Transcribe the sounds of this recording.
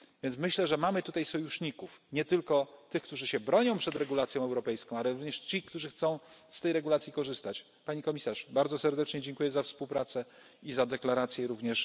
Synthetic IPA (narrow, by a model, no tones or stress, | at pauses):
vʲjɛnt̪smɘɕlɛʐɛmamɘt̪ut̪ajsɔjuʂɲikufɲɛt̪ɘlkɔt̪ɘxkt̪uʐɘɕɛbɾɔɲɔ̃w̃pʂɛd̪ɾɛɡulat̪sʲjɔ̃w̃ɛwɾɔpɛjskɔ̃alɛɾuvɲɛʂt͡ɕikt̪uʐɘxt̪sɔ̃w̃st̪ɛjɾɛɡulat̪sʲjikɔʐɘst̪at͡ɕ | paɲikɔmʲisaʂbaɾd̪zɔsɛɾd̪ɛt͡ʂɲɛd͡ʑɛŋkujɛzafspuwpɾat̪sɛ | izad̪ɛklaɾat̪sʲjɛɾuvɲɛʂ